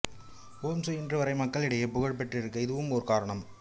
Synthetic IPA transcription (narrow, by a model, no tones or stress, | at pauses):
oːmsɯɪndrɯʋɐɾɐɪmɐkːɐɭɪɽɐjepʊɣɐɻp̬ɛʈrɪɾɯk̬ːɐɪðɯʋɯmɔɾɯkaːɾɐɳɐm